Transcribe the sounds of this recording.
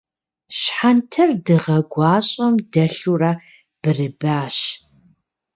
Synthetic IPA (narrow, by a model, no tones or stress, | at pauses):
ɕħantʰɐrdɨʁɐɡʷɑːɕʼɐmdɐɬuraː | b̥ɨrɨbaːɕ